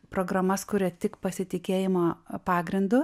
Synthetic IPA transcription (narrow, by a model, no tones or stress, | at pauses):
pɾoːɡɾɐmɐskʊɾʲɛt̪ʲɪkpɐsʲɪt̪ʲɪkʲeːjɪmoːpɑːɡɾʲɪnd̪ʊ